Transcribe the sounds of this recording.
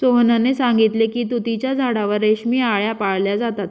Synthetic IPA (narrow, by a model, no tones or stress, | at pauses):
soɦnanesãŋɡit̪lekiːt̪ut̪it͡ɕjad͡zʱaɽaʋəɾeɕmiːaɭjapaɭljad͡zat̪at̪